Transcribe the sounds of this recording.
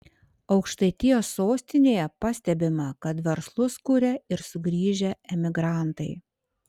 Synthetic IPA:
ɒʊkʃt̪ɐɪt̪ʲɪjoːsːoːsʲt̪ʲɪnʲeːjɛpɐsʲt̪ʲɛbʲɪmɐkɐt̪ʋʲɛɾslˠʊskʊɾʲɛɪɾsʊɡɾʲiːʒʲɛɛmʲɪɡɾɑˑnt̪ɐɪ

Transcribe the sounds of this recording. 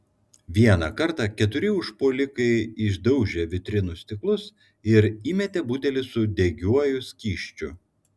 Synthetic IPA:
ʋʲiɛnɑkɐɾt̪ɑkʲɛt̪ʊɾʲɪʊʃpoːlʲɪkɐɪɪʒd̪ɐʊʒʲeʋʲɪt̪ʲɾʲɪnʊsʲt̪ʲɪklˠʊs | ɪɾiːmʲɛt̪ʲɛbuːt̪ʲɛlʲɪsʊd̪ʲɛɡʲuɔjʊsʲkʲiːʃʲt͡ʃʲʊ

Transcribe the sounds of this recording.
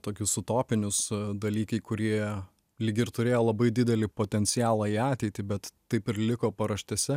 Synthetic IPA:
t̪oːkʲʊsʊt̪oːpʲɪnʲʊsd̪ɐlʲiːkɐɪkʊɾʲiɛ | lʲiːɡʲɪrt̪ʊɾʲeːjoːlˠɐbɐɪd̪ʲɪd̪ʲɛlʲɪpoːt̪ʲɛnʲt͡s̪ʲɪjæːlˠɑːiːɑːt̪ʲɛɪt̪ʲɪbʲɛt̪t̪ɐɪpɪɾlʲɪkoːpɐɾɐʃʲt̪ʲɛsʲɛ

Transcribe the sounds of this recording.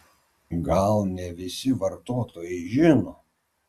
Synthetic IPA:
ɡɐlˠnʲɛʋʲɪsʲɪʋɐɾt̪oːt̪oːjɛɪʒʲɪnoː

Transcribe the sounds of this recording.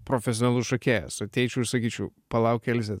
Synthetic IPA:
pɾoːfʲɛsʲonɐlˠʊsʃɐkʲæːjɛ̰sɐt̪ʲɛɪt͡ʃʲɛʊɪʃsɐkʲiːt͡ʃʲɛʊpɐlˠɑʊkʲɛlʲzʲɛ

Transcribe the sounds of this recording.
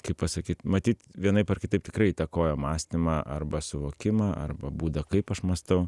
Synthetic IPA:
kɐɪpɐsɐkʲiːt̪mɐt̪ʲiːt̪ʋʲiɛnɐɪpɐrkʲɪt̪ɐɪp̚t̪ʲɪ̥kɾɐɪiːt̪ɐkoːjoːmɑːsʲt̪ʲɪmɑːʔɐ̰rbɐsʊʋoːkʲɪmɑːʔɐ̰rbɐbuːd̪ɐkɐɪpɐʃmɐst̪ɐʊ

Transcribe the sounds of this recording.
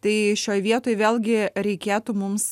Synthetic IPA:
t̪ɐɪʃʲoːjʋʲiɛt̪oːjʋʲeːlˠʲɡʲɪɾʲɛɪkʲeːt̪ʊmʊms

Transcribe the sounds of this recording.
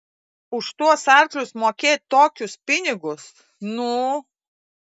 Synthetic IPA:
ʊʃt̪uɔsɑˑɾklʲʊsmoːkʲeːt̪̚ʲt̪oːkʲʊspʲɪnʲɪɡʊs | nʊ

